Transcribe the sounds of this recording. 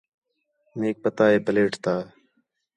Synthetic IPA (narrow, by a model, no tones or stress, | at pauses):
neːk̚pət̪aːeːpəleːʈʰt̪aː